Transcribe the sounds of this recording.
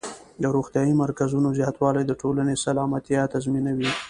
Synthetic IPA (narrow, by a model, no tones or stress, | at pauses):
d̪əɾoxt̪jɑjimaɾkazunozjɑt̪wɑlajd̪əʈʰolanesalɑmat̪jɑt̪azminawi